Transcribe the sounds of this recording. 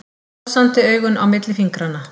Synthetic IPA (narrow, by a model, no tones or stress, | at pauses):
sant̪ɪœːɥɣʏnʔa̰wmɪt̪lɪfiŋkɾanːa